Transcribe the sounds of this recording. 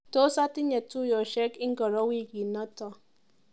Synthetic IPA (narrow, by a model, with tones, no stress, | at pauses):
to˦sa˦ti˦ɲe˨tu˦jɔ˨ʃe˦ki˦ŋ̩˦ɡɔ˨ɾɔ˦wi˦˨ki˨nɔ˦tɔ˨